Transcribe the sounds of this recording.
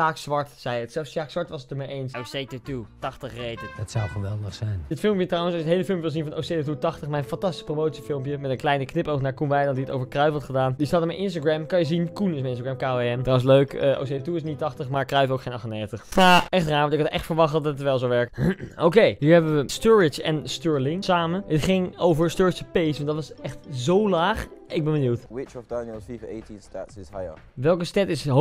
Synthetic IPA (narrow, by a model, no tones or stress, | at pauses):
aːksʋɑɹtsɛjətsɛlˠfsʃaːksʋɑɹtʋɑsətəmejʔejnsosejtututɑχtəχrejdədɑtsɔwχəʋɛlˠdəχsɛjndɪtfɪlˠmpjətrɑwənsɑlʃjəɦejləfɪlˠmpjʋɪlˠzinvɑnʔo̰wsejtotutɑχtəχmɛjənfɑntɑsti̥spromowtsifɪlˠmpjəmɛtə̃nklɛjnəknɪpoknaːɹkunʋɛjdəndiəto̰wvəɹkrœɥfɔtχədaːndistatəmɛjʔɪnstaɡɹɛmkɑnjəzinkunɪsmɛɪnstaɡɹɛmkaeɛntrawəsløɥkəʔo̰s̬eətuɪsnitɑχtəχmaːɹkrœɥfowkχejnɑχtənejχəntəχɛχtraːɹɔntɪkɑtɛχtfəɹʋɑχtədɑtətʋɛlˠzowʋɛɹkowkejɦiːɹɦɛbəʋəstɔɹɪt͡ʃɛ̰nstøɹlɪŋsaːməətχɪŋowvəɹstɔːɹɪt͡ʃəpejsʋɑntdɑtʋɑsɛχtzowlaːχɪɡ̚bɛnbənjuwtwɪt͡ʃɔvdanəlˠfivetinstatsɪsajə̰ | ʋɛlˠkəstɛtɪsɦ